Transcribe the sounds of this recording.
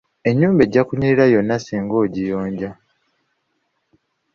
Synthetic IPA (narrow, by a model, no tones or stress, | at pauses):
e̞ɲːuːmbe̞ɟːakuɲiɾiɾajo̞nːasiːŋɡo̞ːɟijo̞ːɲɟa